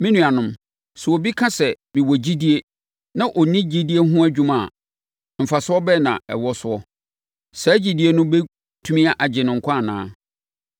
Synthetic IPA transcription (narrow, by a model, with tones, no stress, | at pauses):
mĩ˦nũ˨a˨nʊ̃˦m | sɛ˨wo˨bi˦kʰã˦sɛ˨ | mĩ˨wɔ˨d͡ʑi˦di˦e˦ | nã˦ʔɔ˨nĩ˦d͡ʑi˦di˦e˦ɦʊ̃˦æ˦d͡ʑᶣũ˦mã̰˨ | m̩˨fa˨sʊ˦ɔ˦bɛ˦nã̰˨ɛ̰˨wɔ˦sʊ˦ɔ˦ | sɛ˨˦d͡ʑi˨di˦e˦nʊ̃˦be˦ | tʰũ˦mĩ˦a˦ʔa˨d͡ʑɪ˨nɪ̃˨ŋ̩˨kʰʷã˦˨nã̰ː˦